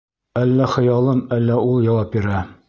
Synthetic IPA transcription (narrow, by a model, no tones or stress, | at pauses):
ælːæχɤ̆jɑlˠɤmælːæulˠjɑwɑp̚biɾæ